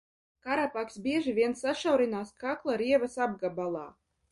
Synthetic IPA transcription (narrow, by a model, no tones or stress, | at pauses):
kaɾapaksbʲiɛʒivʲiɛnsːaʃawɾinaːskaklˠaɾiɛvasab̚ɡabalˠɑ̰ː